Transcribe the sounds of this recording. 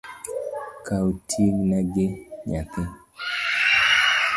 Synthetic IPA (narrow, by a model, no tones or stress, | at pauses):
kʰautʰiɡnaɡeɲape